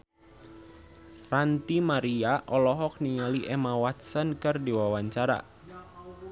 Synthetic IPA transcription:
rant̪imaɾiaʔɔlɔɦɔk̚niŋaliʔɛmawat̪̚sənkɨrdiwawaɲt͡ʃaɾa̰

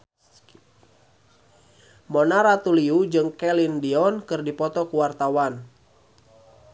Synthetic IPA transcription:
mɔnaɾat̪uliud͡ʒɨŋkɛlindiɔnkɨrdipɔt̪ɔkuwart̪awan

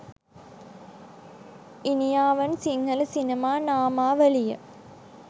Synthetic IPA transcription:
inijaːʋɐnsiŋɡɐlsinɐmaːnaːmaːʋɐlijɐ

